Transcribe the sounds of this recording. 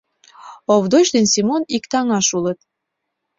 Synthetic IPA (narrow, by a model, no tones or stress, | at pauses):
oβd̪ot͡ɕd̪ensimonikt̪ɑŋɑʃulət̪̚